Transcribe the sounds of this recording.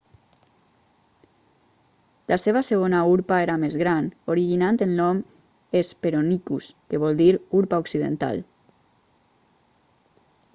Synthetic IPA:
lʔaseβ̞aseɣ̞onauɾpaeɾamezɣɾanoɾiʒinant̪enlɔm | espeɾonikuskeβ̞ɔld̪iɾuɾpaoksiðḛnt̪a̰l

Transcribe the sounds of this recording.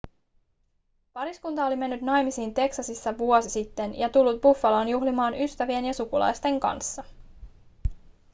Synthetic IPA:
pɑɾiskunt̪ɑo̞lime̞nːyt̪nɑjmisiːnt̪e̞ksɑsisːɑʋuo̞sisit̪ːe̞njɑt̪ulːut̪̚bufːɑloːnjuɦlimɑːnyst̪æʋie̞njɑsukulɑ̰jst̪e̞ŋkɑ̰nsːɑ

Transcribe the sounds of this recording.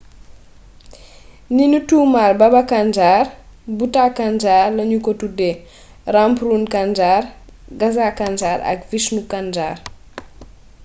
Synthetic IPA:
ninutuːmalbɐbɐkand͡ʒaːrbutakand͡ʒaːrlɐɲukotude | rampɾunkand͡ʒar | ɡɐzakand͡ʒaːɾɐ̰kvisnukand͡ʒa̰ːr

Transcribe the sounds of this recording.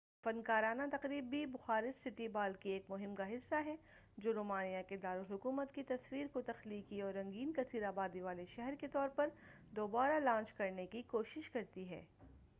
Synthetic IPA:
fɐnkaːɾaːnat̪ɐqɾiːbibʊxaːɾɪd͡ʒsɪʈibaːlkieːkmʊɦɪmkaɦɪsːaɦɛ | d͡ʒoːɾoːmaːnijaked̪aːɾʊlɦʊkuːmət̪kit̪ɐswiːɾkot̪ɐxliːkiɔːɾːɐ̃ŋɡiːnkɐsiːɾaːbaːd̪iʋaːleʃɛɦɛɾket̪ɔːɾpɐɾ | d̪oːbaːɾalãːnt͡ʃkɐɾnekikoːʃɪʃkɐɾt̪iɦɛ̰ː

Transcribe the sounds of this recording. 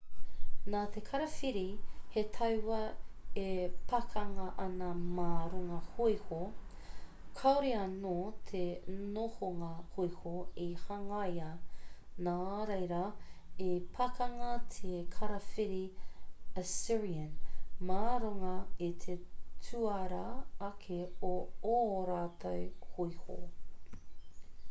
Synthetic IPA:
naːt̪ʰekʰɐɾɐfiɾihet̪ʰɐwwɐepʰɐkʰɐŋɐʔɐnɐmaːɾoŋɐhojho | kʰɐwɾiɐnoːt̪ʰenohoŋɐhojhoihɐŋɐjɐ | naːɾejɾɐepʰɐkɐŋɐt̪ʰekʰɐɾɐfiɾi | əsiɹiənmaːɾoŋɐit̪ʰetʰuɐɾɐɐkʰeooːɾaːtʰowhoiho̰

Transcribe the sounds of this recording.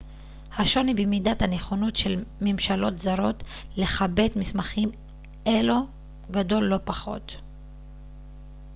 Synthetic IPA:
haʃo̞nibemidathane̞χo̞no̞tʃe̞lmemʃalo̞tzaɾo̞t | le̞χabe̞tmismaχim | ʔe̞lo | ɡado̞lːo̞paχo̞̰t

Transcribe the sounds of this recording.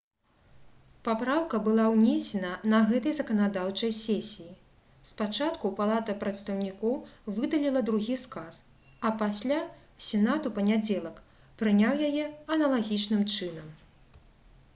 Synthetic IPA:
papɾawkɐbɨlˠawnʲesʲɛnɐnɐɣɛt̪ɐjzɐkɐnad̪awt͡ʂɐjsʲɛsʲiji | spat͡ʂat̪kupalˠat̪ɐpɾɐt̪st̪ɐwnʲikɔwvɨd̪ɐlʲilˠɐd̪ɾuɣʲiskas | ɐpasʲlʲa | sʲɛnat̪upɐnʲad͡zʲɛlˠɐk | pɾɨnʲawjajɛɐnɐlˠaɣʲit͡ʂnɨmt͡ʂɨnɐm

